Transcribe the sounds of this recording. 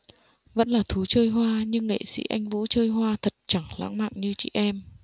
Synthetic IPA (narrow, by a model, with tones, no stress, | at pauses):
və̰˧˥nlaː˨˩t̪ʰu˨˦t͡ɕəː˧jɦwaː˧ɲɨ˧ŋːḛ˧˨sḭ˧˥ʔa˧jŋ̟vṵ˧˥t͡ɕəː˧jɦwaː˧t̪ʰə˨˩t̚t͡ɕa˧˩ŋla̰ː˧˥ŋma̰ː˧˨ŋɲɨ˧t͡ɕḭ˧˨˩ʔɛ˧m